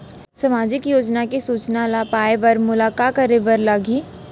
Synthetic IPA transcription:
sɐmaːd͡ʒɪkjoːd͡ʒnakesuːt͡ʃnalaːpaːebɐɾmʊlaːkakəɾebəɾlaɡiː

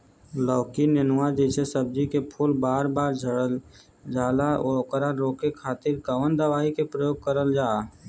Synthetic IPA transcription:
lɔːkinənʊwad̪esəsəb̚d͡ʒikepʰuːlbaːɾbaːɾd͡ʒʱəɽəl | d͡ʒaːlaoːkəɾaɾoːkekʰaːt̪ɪɾkəʋənd̪əʋaːikepɾəjoːɡ̚kəɾəld͡ʒaː

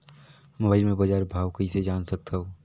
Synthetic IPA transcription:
moːbaːɪlmẽbɐd͡ʒaːɾbʱaːʋkəised͡ʒaːnsɐk̚t̪ʰaɦoː

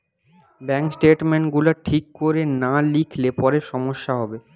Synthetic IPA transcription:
bɛŋksʈeʈmeɳʈɡulaʈʰikːoɾenalikʰlepɔɾeʃɔmoʃːaɦɔbe

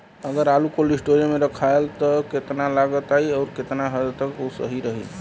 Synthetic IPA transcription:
əɡəɾalukolisʈoɾimeɾəkʰaelt̪ɔket̪nalaɡət̪aiɔːɾket̪naɦəd̪t̪əkosə̰ɦiɾəɦḭ

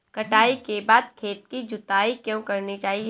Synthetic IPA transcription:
kɐʈaːikebaːd̪̚t̪ʰːeːt̪̚kid͡ʒʊt̪aːikjõːkɐɾnit͡ʃaːɦi

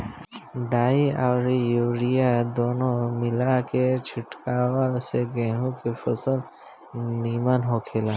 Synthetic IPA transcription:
ɖaːiaːɾjuːɽijad̪oːnõmɪlaket͡ʃʰɪʈkaːwaseɡɛ̃ːɦũkefɐsəl | niːmanɦoːkʰeːlaː

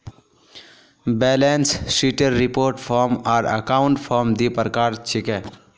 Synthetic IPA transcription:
bɛlenssiʈeɾːipoːɾʈpʰɔɾmaːɾə̰kaʊɳʈpʰɔɾmd̪ipəɾkaːɾt͡ʃʰike

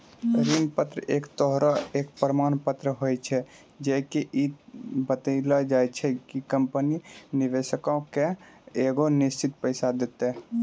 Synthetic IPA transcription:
ɾinpət̪ɾəʔekt̪ɔɦɾəekpɾəmanpət̪ɾəɦojt͡ʃʰɛ | d͡ʒɛkeʔibət̪əlad͡ʒajt͡ʃʰɛkikəmpəniniʋesəkaõkeeɡonist͡ʃʰit̪̚pəɪsad̪et̪e

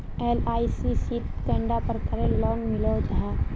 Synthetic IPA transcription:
elaːisisit̪kɛ̃ɳɖapəɾkəɾẽlɔːnmɪlod͡ʒaɦa

